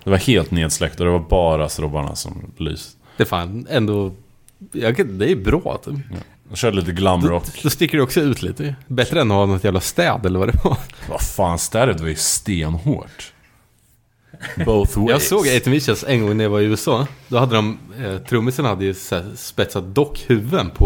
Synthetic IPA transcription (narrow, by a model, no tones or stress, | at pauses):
d̪̥ɛvaɾheːlt̪neːd̪slɛk̚t̪ɔd̪ɛvaɾbɑːɾast̪ɾɔbaɳa̰sɔ̰mly̰ːs | d̥̪ɛfa̰ːnɛnd̪o | jɑkad̪ɛæɾjbɾɑ̰ːt̪ː | d̪ɔmʃœːɖəliːt̪əɡlamːəɾɔd̪ɔst̪ɪkːəɖɛɔksɔʉ̟ːt̪ʰlḭːt̪əbɛt̪ɾəɛnɔhanɔt̪jæːvlast̪ɛːd̪ɛlːəɾvad̪ɛvɑva̰faːnst̪æɾəd̪ɛvajɵst̪eːnho̰ːʈ | boθwjɑːɡsoːɡeɪt̪ənvɪʃɛlsɛŋɡɔŋnæjɑvaɾɪʉ̟ːɛsɑːd̪ɔhad̪ːəd̪ɔmt̪ʰɾɵmːɪsənhad̪ːəjʉsɛspɛt̪sat̪̚d̪ɔkːhʉ̟vːənpʰɔ